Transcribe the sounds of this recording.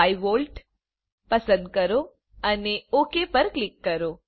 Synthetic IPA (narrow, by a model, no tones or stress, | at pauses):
ajʋolʈ | pəsə̃nd̪̚kəɾo | əneokepəɾklɪkːəɾo